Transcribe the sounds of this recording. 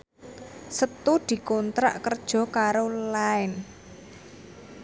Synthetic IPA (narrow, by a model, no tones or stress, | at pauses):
sət̪ud̪̥i̤kɔnt̪ɾa̰ʔkərd̥ʒ̥ɔ̤kaɾolaɪn